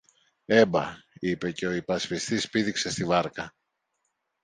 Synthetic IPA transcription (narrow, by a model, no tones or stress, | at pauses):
e̞bɐ̰ipe̞ce̞o̞ipɐspist̪ispiðikse̞st̪ivɐɾkɐ